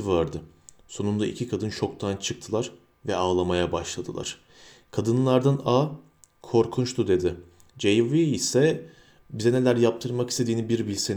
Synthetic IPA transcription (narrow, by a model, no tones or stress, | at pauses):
ivaɾd̪ɯso̞nund̪aʔḭcʰikʰad̪ɯnt͡ʃʰo̞kt̪ʰant͡ʃʰɯk̚t̪ʰɯlˠaɾ | vɛaːlˠamajabaʃlˠad̪ɯlˠa̰ɾ̥ | kʰad̪ɯnlˠaɾd̪ana | kʰo̞ɾkʰunt͡ʃt̪ʰud̪e̞d̪ɪ | d͡ʒejviːsɛ | bizɛne̞lʲæɾjap̚t̪ʰɯɾmakist̪ʰe̞d̪iːnibiɾbilʲsen